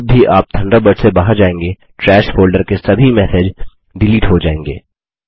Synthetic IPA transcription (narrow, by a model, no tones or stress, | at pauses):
bbiʔaːp̚t̪ʰɐ̃ɳɖəbəɖsebaːɦəɾd͡ʒaːẽːŋɡe | ʈɾɛːʃfoːlɖəɾkesɐbʱimɛːsed͡ʒ | ɖɪliːʈɦod͡ʒaːẽːŋɡḛː